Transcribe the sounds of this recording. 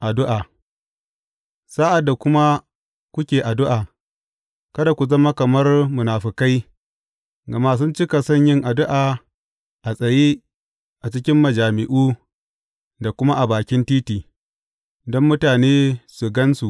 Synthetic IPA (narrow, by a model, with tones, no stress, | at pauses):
ʔa˨dʊ˦ʔaː˨ | saː˦ʔa˨dːa˨kʷʊ˦ma˦ | kʷʊ˦kʲeː˨ʔa˨dʊ˦ʔaː˨ | kɐ˦da˨kʷu˨zɐ˦ma˦kɐ˨mɐ˦rmʊ˨naː˨ɸɪ˨ka˦j | ɡɐ˨ma˦s̬ʊ˦nt͡ʃɪ˦ka˨sɐ˦ɲjɪ˦ŋʔa˨dʊ˦ʔaː˨ | ʔa˨sʼɐ˨jeː˦ | ʔa˨t͡ʃɪ˦kʲɪ˦mːɐ˨d͡ʒaː˨mɪ˨ʔuː˦ | da˨kʷʊ˦ma˦ʔa˨baː˨kʲɪ˦ntiː˦tiː˨ | dɔ˦mːʊ˦taː˨neː˦sʊ˨ɡɐ˦nsu˨ʔ